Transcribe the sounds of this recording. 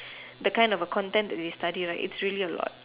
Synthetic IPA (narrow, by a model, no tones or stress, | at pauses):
dəkãj̃ndɔvəkʰɔ̃ntɛ̃nd̪ɛtistadiɹaʔḭtsɹiəliəlɔ̰t̚